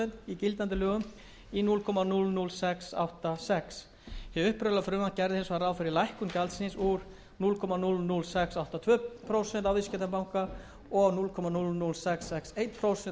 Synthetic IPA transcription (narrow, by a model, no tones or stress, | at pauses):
ɛnt̪icɪlt̪ant̪ɪlœːɣʏm | inulkʰɔmanulnulsɛksa̰wht̪asɛks | hɛʏhpɾʏlafɾʏːmant̪̚cɛɾðɪhensvaraːwfɪɾɪɾlajhkʏmcalt̪sɪnsuɾ | nulkʰɔmanulnulsɛksawht̪at̪ʰvœːpʰɾowsɛnt̪awvɪscɛt̪apawŋka | ɔɣnulkʰɔmanulnulsɛksɛksejt̪pʰɾowsɛn